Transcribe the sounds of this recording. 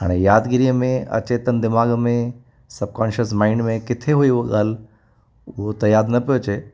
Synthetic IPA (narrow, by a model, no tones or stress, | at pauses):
ɦa̰ːɽ̃ejaːd̪ɡɪɾijəmẽɐ̰t͡ɕeːt̪ənd̪ɪmaːɡmẽ | sɐb̚kɔːnʃəsmaːɪɳɖmẽkɪt̪ʰeɦuioɠaːl | ʊɦot̪ɐjaːɾd̪nɐpijot͡ʃʰeː